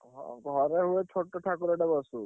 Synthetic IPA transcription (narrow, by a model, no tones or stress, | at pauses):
ɦɔ̰̃ɡʱɔɾeɦuet͡ʃʰoʈːɔʈʰakuɾeɖebɔsu